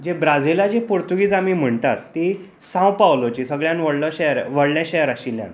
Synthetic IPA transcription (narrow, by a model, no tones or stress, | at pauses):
d͡ʑebɾad͡zilad͡ʑepuɾt̪uɡiːt͡samim̤əɳt̪at̪ːi | sãw̃pawlot͡ɕisəɡɭjãnʋəɽlɔɕeɾʋəɽljãɕejɾaɕiljã̰n